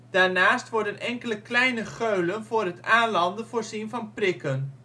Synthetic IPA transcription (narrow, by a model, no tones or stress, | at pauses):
d̥aːɹnaːstʋɔɹdənʔɛŋkələklɛjnəχøɥlənvʊːɹɦətaːnlɑndəv̥ʊːɹzinvɑnprɪkən